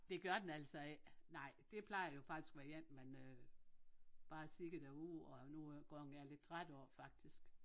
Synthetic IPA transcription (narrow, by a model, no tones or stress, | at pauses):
d̥e̝ɡ̥ɶɐd̥enæl̰sɒe̥nɑ̈ɪ̰d̥e̝pʰlɑ̈ɪɐjo̝fɑ̈ɡ̥d̥i̥sɡ̥ʋæɐjen̰menø | b̥ɑ̈ːsiɡ̥əɐd̥æuð̰ˠɒnuɡ̥ɒ̰ːhnæɐle̝d̥̚t͡sʰʁad̥əɒ̰ːfɑ̈ɡ̥̚d̥isɡ̥